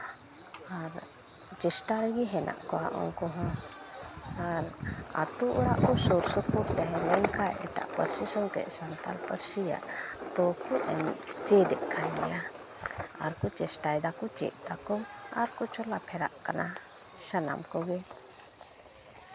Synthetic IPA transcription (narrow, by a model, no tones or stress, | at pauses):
aɾt͡ʃɛsʈaɾɡiɦɛnʔa̰ʔkɔwa̰ʔɔ̰ŋkɔɦɔ̃ | aɾa̰t̪uʔuɾaʔkɔsuɾsɔpuɾt̪ɛɦɛ̃lɛŋkajʔɛ̰ʈa̰ʔpəɾsisɔŋkɛ̰ʔsant̪a̰lpəɾsija̰ʔt̪ɔkuʔɛ̰nt͡ʃɛd̪ɛʔkʰajɡɛ̰ja | aɾkut͡ʃɛsʈajd̪akut͡ʃɛ̰ʔd̪akɔŋ | aɾkut͡ʃɔlapʰɛɾa̰ʔkanasana̰mkɔɡɛ